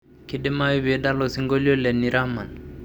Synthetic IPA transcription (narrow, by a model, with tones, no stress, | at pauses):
kide˦ma˦wi˦be˨da˦lo˨si˦ŋɡo˦li˦o˦lɛ˨nːi˨ɾa˦ma˨n